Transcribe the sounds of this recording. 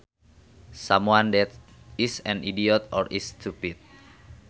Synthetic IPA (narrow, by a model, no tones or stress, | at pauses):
samwandɛt̪ | isɛ̃nidiɔt̪ɔɾist̪ʰupit̪̚